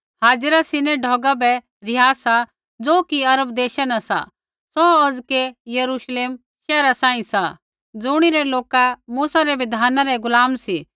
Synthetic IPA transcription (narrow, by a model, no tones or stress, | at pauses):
haːd͡zɾasɪnɛɖʱɔːɡabɛ | ɾɪjaːsa | d͡zoːkiɐɾəb̚d̪eːʃanasa̰ | sɔɐd͡zkejɐɾuʃleːm | ʃɛːɾasãːĩsa | d͡zʊɽ̃iɾɛloːkamuːsaɾɛʋɪd̪ʱaːnaɾɛɡʊlaːmsi